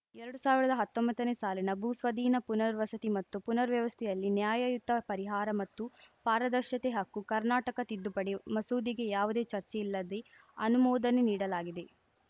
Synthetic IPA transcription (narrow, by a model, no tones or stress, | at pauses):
ɛɾɐɽusaːʋiɾɐd̪ɐɦɐt̪ːombɐt̪ːɐneːsaːlinɐbʱusʋɐd̪ʱiːnɐpunɐɾʋɐsɐt̪imɐt̪ːupunɐɾʋjɐʋɐst̪ʰɛjɐlːinjaːjɐjud̪ʱːɐpɐɾiɦaːɾɐmɐt̪ːupaːɾɐd̪ɐɾʃjɐt̪eɦɐkːukɐɾnaːʈɐkɐt̪id̪ːupɐɽemɐsuːd̪iɡe̞jaːʋud̪e̞ːt͡ʃɐɾt͡ʃeilːɐd̪e | ɐnumɔːd̪ɐneniːɽɐlaːɡid̪e̞